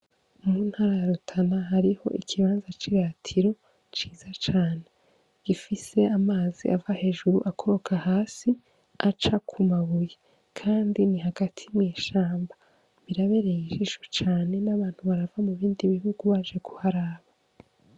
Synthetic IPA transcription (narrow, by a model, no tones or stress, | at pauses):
muːn̥haːɾajaɾutʰanaɦaɾiho̞̰ʔikʰiβaːnzat͡ʃiɾaːtʰiɾo̞ | t͡ʃiːzat͡ʃaːne̞ | ɡ̥ifise̞amaːzḭʔavahe̞ːʒuɾuʔakʰo̞ɾo̞kʰahaːsi | at͡ʃakʰumaβuje | kʰaːndiniɦaɡ̥atʰimiːʃaːmba | βiɾaβe̞ɾejiʒiʃu̥t͡ʃaːne̞naβaːn̥huβaɾavamuβiːndiβiɦuɡuβaʒe̞ku̥haɾaːβa